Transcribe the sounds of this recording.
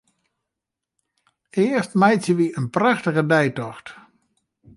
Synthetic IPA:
ɪəstmajtsjəʋiənpraxtəɣədɛjtɔxt

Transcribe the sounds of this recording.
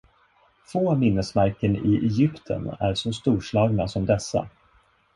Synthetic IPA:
foːmɪnːəsmæɾkənɪʔɛjʏpt̪ʰə̰næ̰ɾʂɔst̪uːʂɭɑːɡnasɔmd̪ɛsːa̰

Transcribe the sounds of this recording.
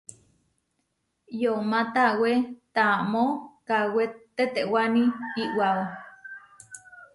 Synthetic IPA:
jomat̪awet̪amokawet̪et̪eʔwaniiʔwao

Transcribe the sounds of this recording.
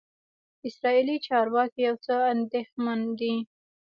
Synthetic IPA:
ɪsɾɑilit͡ʃɑɾwɑkijawt͡səand̪exmand̪i

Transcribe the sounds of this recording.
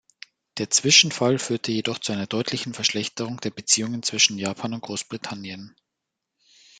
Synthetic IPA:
d̥eːɐt͡sv̥ɪʃn̩falfyːɐtʰəjedɔχt͡suʔaɪnɐdɔʏtʰlɪçn̩fɛɐʃlɛçtəʁ̞ʊŋd̥eːɐbət͡siːʊŋənt͡sv̥ɪʃn̩jaːpʰaːnʊnt̚ɡ̥ʁoːsb̥ʁitʰanjən

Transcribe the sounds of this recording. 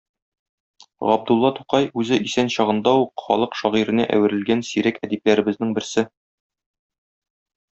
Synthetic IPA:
ʁɒb̚d̪ulˠːɑt̪u̥qɑjʉzɘʔisænɕɒʁɤ̆nd̪ɑuqχɒ̰lˠɤqʃɒʁiɾɘ̆næʔæ̰wɘ̆ɾɘ̆lɡænsiɾækæd̪ip̚læɾɘ̆bɘ̆znɘŋbɘ̆ɾsɘ

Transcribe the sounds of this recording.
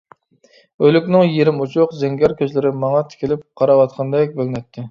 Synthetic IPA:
ølykʲnɪŋjeɾɪmut͡ʃʰʊqzɛŋɡʲɛɾkʲøt͡ʃlɪɾɪmɑŋɑt̪ʰɪ̥kʲʰɪlɪp̚qʰɑɾɑwɑt̪̚qʰɑnd̪ɛk̚ʲbølnɛt̪ʰːɪ

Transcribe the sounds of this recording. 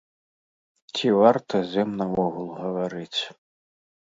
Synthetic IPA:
t͡sʲivart̪ɐzʲɛmnɐɔɣulˠɣɐvaɾɨt͡sʲ

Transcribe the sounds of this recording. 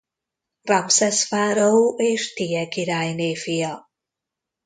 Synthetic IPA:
rapsɛsfaːɾowʔeːʃt̪iɛkiɾaːjneːfijɑ

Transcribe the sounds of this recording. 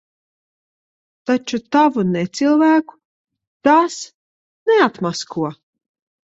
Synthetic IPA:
t̪at͡ʃut̪avunɛt̪silˠvæːku̥ | t̪aːs | nɛat̪maskuɔ

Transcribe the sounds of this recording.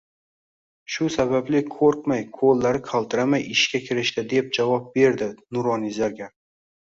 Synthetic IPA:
ʃʊsaβablɪkʰoɾq̚majkʰolːaɾɪqʰalˠt̪ʰɪɾamajɪʃkʲakʲʰɪɾɪʃt̪ɪd̪e̞p̚d͡ʒavɒp̚be̞ɾd̪ɪnʊɾɒnɪzaɾɡʲa

